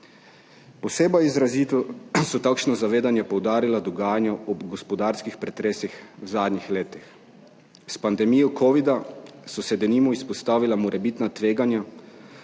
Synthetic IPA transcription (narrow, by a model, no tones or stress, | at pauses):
poseːbajizɾaziːt̪usɔt̪aːkʃnɔzaʋeːd̪anjɛpowd̪aːɾilad̪ɔɡaːjanjɔɔɡospɔd̪aːɾskixpɾɛt̪ɾeːsixwzaːd̪nʲɲixleːt̪ix | spand̪ɛmijɔkʰoʋid̪asɔsɛd̪ɛnimɔispɔst̪aːʋilamɔɾʔɛbit̪nat̪ʋeːɡanja